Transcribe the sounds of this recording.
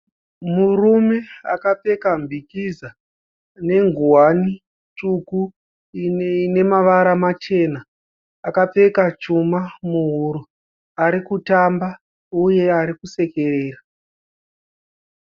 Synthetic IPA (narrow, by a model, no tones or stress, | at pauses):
murume̞a̰kap͡fe̞kambʱikiza | ne̞ŋɡuwani | tuku | ine̞maʋaɾamat͡ʃe̞naː | kap͡fe̞kat͡ʃumamuɦuɾu | aɾikutamba | uje̞aɾikuse̞ke̞reːra